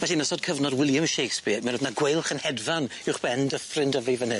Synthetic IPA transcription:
vɛɬinəsɔd̚kʰəvnɔdwɪlˠjəmʃejkspɪmɛnrəvnaɡwejlˠχənhɛdvanɪwχb̥ɛndəfrɪndəvivənɨ

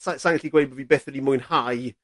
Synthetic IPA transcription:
sasajəntliɡwejbəvibɛθəlimʊjnhaj

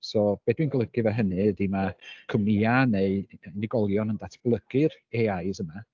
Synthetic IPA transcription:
sɔb̥ed̥winɡlˠəɡ̥ɨvɛɦənɨdimakʰəmnianeɨnɪɡɔlˠjɔnəndatʰb̥lˠəɡ̥ɨreajsəma

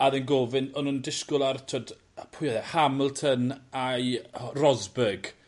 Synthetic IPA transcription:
aðɛnɡoːvɪnɔnundɪskʊlˠartʰod | pʰʊjðɛhaməlˠtʰənajrɔzbəɡ̥

